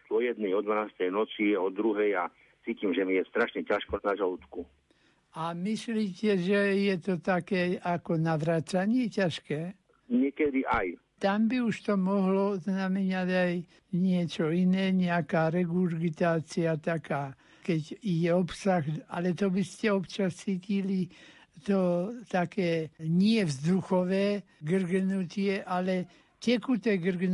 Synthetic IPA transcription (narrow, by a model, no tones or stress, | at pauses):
ɔjɛd̪nɛjɔd̪ʋanaːst̪ɛjnɔt͡siɔd̪ɾuɦɛja | t͡siːcimʒɛmijɛst̪ɾaʃɲɛcaʃkɔnaʒalut̪ku | amisliːcɛʒɛjɛt̪ɔt̪akɛːakɔnaʋɾaːt͡saɲɪɛcaʃkɛː | ɲɪɛkɛd̪iʔaj | t̪ambiuʃt̪ɔmɔɦlɔznamɛnaɟaj | ɲɪɛt͡ʃɔinɛːɲɛakaːɾɛɡuɾɡit̪aːt͡siat̪akaː | kɛɟiɟɛɔpsaɣa̰lɛt̪ɔbiscɛɔpt͡ʃast͡sicili | t̪ɔt̪akɛːɲɪɛvzd̪uxɔʋɛː | ɡr̩ɡnut̪ɪɛʔalɛ | cɛkut̪ɛɡr̩ɡn